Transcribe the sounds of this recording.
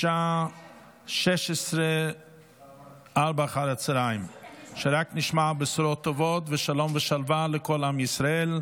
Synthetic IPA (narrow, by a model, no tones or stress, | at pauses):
ʃa | ʃɛʃɛsɾə | aɾbaχaɾat͡sɾaɪmʃɛɾaknɪʃmabɪsɾɔtːɔvɔtvɪʃalɔmvəʃalvalɪkɔlamjɪsɾaɛl